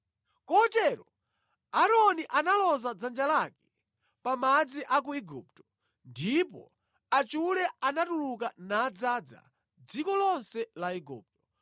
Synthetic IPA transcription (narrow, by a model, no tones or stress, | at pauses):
kɔtɛɾɔ | aɾɔniʔanalɔzad͡zand͡ʒalakɛ̥ | pamad͡ziʔak̬uiɡṵp̚tɔ̥ | ndipɔ̰ | at͡ʃulɛanatuluk̬anaːd͡zad͡za̰ | d͡zikɔlɔnsɛlaiɡṵːp̚tɔ